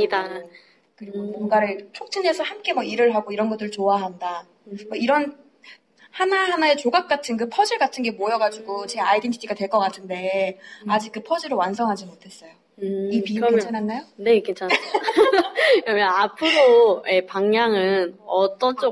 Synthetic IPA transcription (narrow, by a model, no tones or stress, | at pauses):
ɲida | kɯɾiɡomoŋɡaɾɯɭt͡ɕʰok̚t͡ɕʰine̞sʰʌhamk͈e̞mʌiɾɯɭɦaɡoiɾʌnɡʌt͈ɯɾɯɭt͡ɕoaɦanda | mʌiɾʌn | hanaɦanae̞t͡ɕoɡak̚k͈atʰɯnkɯpʰʌd͡ʑiɭɡatʰɯnɡe̞mojʌɡad͡ʑuɡot͡ɕe̞aidimʰitʰiɡatwe̞ɭk͈ʌk͈atʰɯnde̞ad͡ʑik̚k͈ɯpʰʌd͡ʑiɾowansʰʌŋɦad͡ʑimotʰe̞s͈ʌjo | ipiket͡ɕʰananːajone̞kint͡ɕʰan | kɯɾʌmjʌnapʰɯɾoe̞paŋɲjaŋɯnʌt͈ʌnt͡ɕ͈o